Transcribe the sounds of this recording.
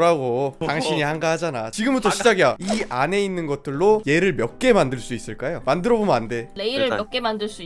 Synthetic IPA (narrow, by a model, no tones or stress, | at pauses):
ɾaɡotaŋɕʰiɲihaŋɡahad͡ʑanat͡ɕiɡɯmbutʰoɕʰid͡ʑaɡijaiane̞inːɯnɡʌt̚t͈ɯɭːoje̞ɾɯɭmjʌk̚k͈e̞mandɯɭs͈uis͈ɯɭk͈ajomandɯɾʌbomʌnande̞le̞iɾɯɭmjʌk̚k͈e̞mandɯɭs͈ui